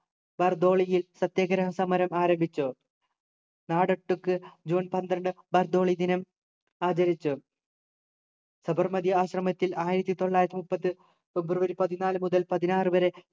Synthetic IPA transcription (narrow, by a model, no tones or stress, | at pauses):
bɐrd̪o̞ːɭijilsɐt̪jɐɡɐɾɐɦɐmsɐmɐɾɐmaːɾɐmbʱit͡ɕːu | naːɽɐʈːukːɨd͡ʑuːnpɐnd̪ɾɐɳɖɨ | bɐrd̪o̞ːɭid̪inɐm | aːt͡ɕɐɾit͡ɕːu | sɐbɐrmɐd̪jɐaːɕrɐmɐt̪ːilaːjiɾɐt̪ːit̪o̞ɭːaːjɾɐt̪ːimupːɐt̪ːɨ | febɾuʋɐɾipɐðinaːlɨmuðɐlpɐðinaːrɨʋɐɾe